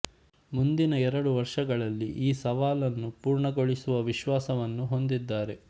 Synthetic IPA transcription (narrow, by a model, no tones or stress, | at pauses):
mund̪inɐɛɾɐɽuʋɐɾʂɐɡɐɭɐlːiʔiːsɐʋaːlɐnːupuːɾɳɐɡo̞ɭisuʋɐʋiʃʋaːsɐʋɐnːuɦo̞nd̪id̪ːaːɾe̞